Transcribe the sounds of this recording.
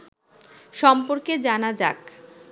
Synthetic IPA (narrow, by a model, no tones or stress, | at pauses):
ʃɔmpoɾked͡ʑanad͡ʑa̰k